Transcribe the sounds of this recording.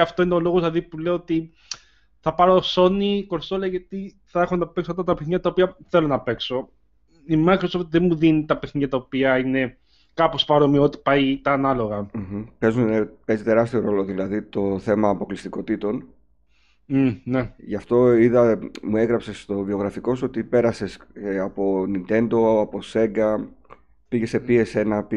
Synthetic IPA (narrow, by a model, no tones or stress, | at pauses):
ɐft̪o̞ineo̞lo̞ɣoznɐðipule̞oot̪i | θɐpɐɾo̞so̞niko̞ɾst̪oleʝɐt̪i | θɐe̞xo̞nɐpeksoft̪ɐt̪ɐpeθɲɐt̪ɐopiɐθe̞lo̞nɐpe̞kso̞ | imɐkɾsopt̪ðenmuðinit̪ɐpeθɲɐt̪ɐopiɐine̞ | kɐpo̞spɐɾo̞mio̞t̪i̥pɐjt̪ɐːnɐlo̞ɣɐm̩m̩pe̞zunepe̞zit̪e̞ɾɐst̪io̞ɾo̞lo̞ðilɐðit̪o̞θe̞mɐːpo̞klist̪iko̞t̪it̪o̞n | neʝɐft̪o̞iðɐmue̞ɣɾɐpse̞st̪o̞vio̞ɣɾɐfiko̞sot̪ipe̞ɾɐse̞sɐpo̞nint̪e̞nd̪o̞ɐpo̞se̞ŋɡɐ | piʝe̞se̞pie̞se̞nɐpi